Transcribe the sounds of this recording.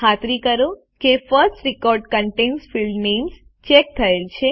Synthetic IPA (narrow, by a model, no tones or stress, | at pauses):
at̪ɾikəɾo | kefəɾsʈɾikɔɾɖkəɳʈensfilɖnems | t͡ʃek̚t̪ʰəelt͡ʃʰe